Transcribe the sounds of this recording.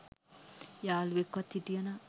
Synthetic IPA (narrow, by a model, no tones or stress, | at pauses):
jaːluʋekːʋɐt̪ːiʈ̪ijɐna